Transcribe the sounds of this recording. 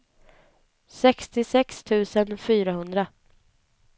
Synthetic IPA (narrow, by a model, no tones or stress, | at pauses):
sɛkst̪ɪsɛkst̪ʰʉ̟ːsənfyːɾaɦɵnd̪ɾa